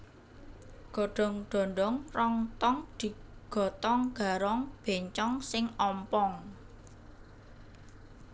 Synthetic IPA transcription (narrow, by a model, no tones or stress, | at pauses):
ɡ̥ɔ̤ɖ̥ɔ̤ŋɖ̪̥ɔ̤ɳɖɔŋrɔŋt̪ɔŋd̪̥i̤ɡ̥ɔ̤t̪ɔŋɡ̥a̤ɾɔŋb̥e̤ɲt͡ʃɔŋsɪŋɔmpɔŋ